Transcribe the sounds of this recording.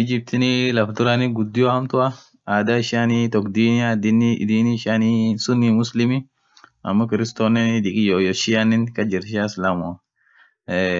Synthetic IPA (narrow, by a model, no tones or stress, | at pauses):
ɪd͡ʒɪb̚t̪ɪnɪlɐfd̪ʊɾɐnɪɡʊd̪ːɪjɔhɐmt̪ʊɐ | aːd̪aːɪʃaːnit̪ɔkd̪iːnad̪ɪnɪ̰d̪iːnɪʃaːnisʊnːimʊslɪmɪ | ɐmːɐkɪɾɪst̪oːnːɛnd̪ɪkʼɪjoːjɔʃɪanːɪnkɐd͡ʒɪɾʃaːslamʊɐ